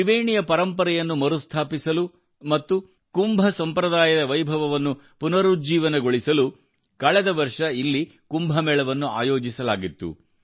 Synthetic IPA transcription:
iʋeːɳijɐpɐɾɐmpɐɾɛjɐnːumɐɾust̪ʰaːpisɐlu | mɐt̪ːu | kumbʱɐsɐmpɾɐd̪aːjɐd̪ɐʋɐjbʱɐʋɐʋɐnːu | punɐɾud͡ʒiːʋɐnɐɡo̞ɭisɐlu | kɐɭɛd̪ɐʋɐɾʂɐilːi | kumbʱɐmɛːɭɐʋɐnːua̰ːjo̞ːd͡ʒisɐlaːɡit̪ːṵ

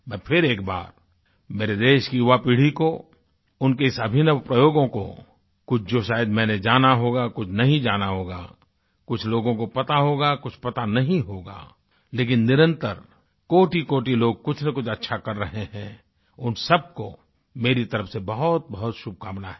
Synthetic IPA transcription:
mɛ̃ːpʰɪɾeːkba̰ːɾ | meːɾed̪eːʃkiʊʋapiːɽ̤iko | ʊnkeɪsɐbʱɪnəʋpɾəjoːɡõko̰ | kʊt͡ʃʰd͡ʒoʃaːjəd̪mɛ̃ːned͡ʒaːnaɦoːɡakʊt͡ʃʰnɐɦĩd͡ʒaːnaɦoːɡa̰ | kʊt͡ʃʰloːɡõkopɐt̪aɦoːɡakʊt͡ʃʰpɐt̪anɐɦĩɦoːɡa̰ː | leːk̬ɪnːɪɾə̃nt̪əɾ | koːʈikoːʈiloːɡ̚kʊt͡ʃʰnekʊt͡ʃʰɐtːʃʰakɐɾːɐɦeɦɛ̃ː | ʊnsɐb̚ko | meːɾit̪ɐɾəfsebɐɦʊt̪̚bɐɦʊt̪ʃʊb̚ʱkaːmnaɦɛ

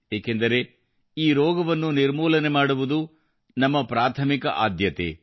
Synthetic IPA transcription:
eːkend̪ɐɾe̞ | iːɾɔːɡɐʋɐnːuniɾmuːlɐne̞maːɽuʋud̪u | nɐmːɐpɾaːt̪ʰɐmikɐ̰ʔaːd̪jɐt̪ḛ

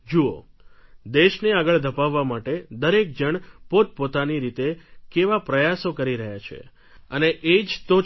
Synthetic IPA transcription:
d͡ʒuo̰ | d̪eʃneaɡəɭd̪ʱəpaʋːamaʈed̪əɾek̚d͡ʒəɳpot̪̚pot̪aniɾit̪ekeʋapɾəjasokəɾiɾəɦjat͡ʃʰḛ | əneʔed͡ʒt̪o

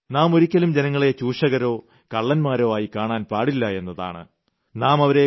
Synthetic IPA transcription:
naːmo̞ɾikʲːɐlumd͡ʑe̞nɐŋːɐɭe̞t͡ɕuːʂɐɣɐɾo̞ː | kɐɭːɐnmaːɾo̞ːaːjikaːɳaːnpaːɽilːɐe̞nːɐða̰ːɳɨ̰ | naːmɐʋɐɾe̞

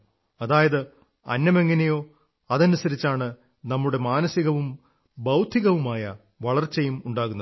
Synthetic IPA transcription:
ɐðaːjɐðɨ | ɐ̰nːɐme̞ŋːɐnejo̞ː | ɐðɐnusɐɾit͡ɕːaːɳɨ | nɐmːuɽe̞maːnɐsiɣɐʋum | bɐwd̪ʱiɣɐʋumaːjɐ | ʋɐɭɐrt͡ɕejumuɳɖaːɣunːɐð

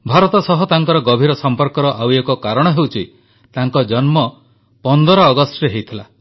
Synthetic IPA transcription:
bʱaɾɔt̪ɔsɔɦɔt̪aŋkɔɾɔɡɔbʱiɾɔsɔmpɔɾkɔɾɔʔawjekɔkaɾɔɽ̃ɔɦewt͡ʃʰi | t̪aŋkɔd͡ʒɔnmɔ | pɔnd̪ɔɾɔːɡɔsʈɾeɦewjt̪ʰila

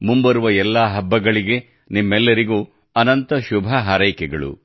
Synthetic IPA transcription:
mumbɐɾuʋɐɛlːaɦɐbːɐɡɐɭiɡe̞ | nimːɛlːɐɾiɡuː | ɐnɐnt̪ɐʃubʱɐɦaːɾɐjkɛɡɐɭṵ

